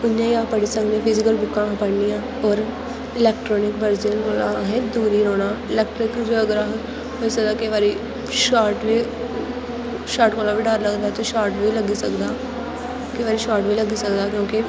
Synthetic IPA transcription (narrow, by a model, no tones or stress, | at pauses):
ʊnjãːiãːpəɽiːsəknẽːpʰɪzɪkəlbʊkːãːpəɽnijãː | ɔːɾ | ɪlɛːk̚ʈɾɔːnɪkbəɾd͡ʒelkoːlaɦeːd̪uːɾiːɾoːnaːɪlɛːk̚ʈɾɪkd͡ʒoəɡɾaːɦɛ | ɦoːisək̚d̪aːkeʋaːɾiː | ʃaːɾʈʋiː | ʃaːɾʈkoːlaːʋiːɖaːɾləɡd̪aːt̪eʃaːɾʈʋiːləɡiːsəkd̪aː | keʋaːɾiːʃaːɾʈʋiːləɡiːsəkd̪aːkjõːkɪ